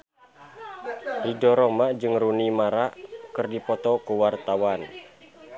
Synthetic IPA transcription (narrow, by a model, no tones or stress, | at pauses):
didɔɾɔmad͡ʒɨŋrunimaɾaʔkɨrdipɔt̪ɔkuwart̪awan